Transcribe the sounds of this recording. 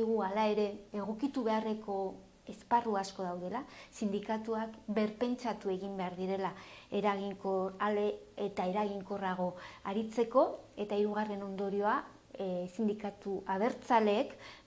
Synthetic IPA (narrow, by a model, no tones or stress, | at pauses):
iɣualae̞ɾe̞eɣ̞o̞kit̪uβe̞are̞kʰo̞ | e̞sparuasko̞ð̞awðe̞lasind̪ikat̪uakbe̞ɾpe̞nt͡sat̪ue̞ɣimbe̞aɾðiɾe̞lae̞ɾaɣiŋkoaleet̪ae̞ɾaɣiŋko̞raɣ̞o̞aɾit͡se̞ko̞e̞t̪aiɾuɣ̞are̞no̞nd̪o̞ɾio̞a | sind̪ikat̪uʔað̞e̞ɾt͡sale̞ːk